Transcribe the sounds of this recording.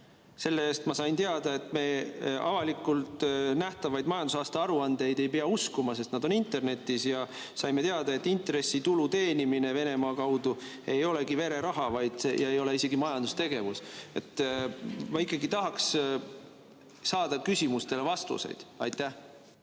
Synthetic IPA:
se̞lːee̞ːst̪mɑsɑjnt̪eɑd̪̥ɑe̞t̪ːˑme̞ːɑ̰vɑlikːˑult̪ˑnæht̪ɑvɑjd̪mɑjɑnd̪usɑːst̪ɑɑɾuɑnd̪e̞jd̪e̞jpeɑuskumɑsest̪nɑd̪o̞nint̪ːˑe̞rne̞t̪ːˑisjɑ | sɑjme̞t̪e̞ɑd̪̥ɑe̞t̪ːˑint̪ɾe̞sːit̪ulut̪e̞ːnimine̞ve̞ne̞mɑːkɑwd̪̥u | e̞jo̞le̞ɡive̞ɾe̞ɾɑɦɑvɑjd̪̥sejɑejo̞le̞ise̞ɡ̥imɑjɑnd̪ust̪e̞ɡ̥e̞vuse̞t̪ː | mɑikːˑɑɡit̪ɑɦɑks | sɑːd̪ɑkysʲimust̪e̞le̞vɑst̪ṵse̞̰jd̪̥ɑjt̪ːˑæh

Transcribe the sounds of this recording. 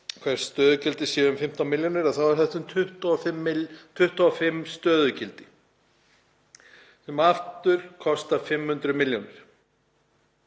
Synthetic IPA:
kʰvɛɾ̥sːt̪œːðʏcɪlt̪ɪsjɛːðʏmfɪm̥t̪anmɪljonɪɾaðθawɛɾhθɛht̪ʏmt̪ʰʏht̪ːfɪmːt̪ʰʏht̪aafɪmːst̪œːðʏcɪlt̪ɪ | sɛmaft̪ʏɾ̥kʰɔst̪afɪmhʏnt̪ɾʏmɪljonɪɾ̥

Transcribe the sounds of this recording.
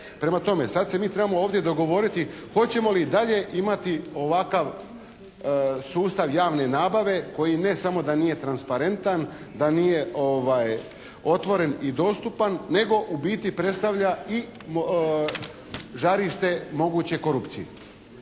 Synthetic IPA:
pɾe̞mat̪o̞me̞sad̪se̞miːt̪ɾe̞bamooːʋd̪je̞d̪o̞ɡo̞ʋo̞ɾit̪ixo̞t͡ɕe̞mo̞lid̪aʎe̞ʔimat̪io̞ʋakaʋ | suːst̪aʋjaːʋne̞naːbaʋe̞ko̞jine̞samo̞d̪anije̞t̪ɾanspaɾe̞nt̪an | d̪anije̞oʋaj | o̞t̪ʋo̞ɾe̞nid̪o̞ːst̪upanːe̞ɡo̞ʔubiːt̪ipɾe̞t̪st̪aʋʎai | ʒaɾiʃt̪e̞mo̞ɡuːt͡ɕe̞ko̞ɾupt̪sijḛ

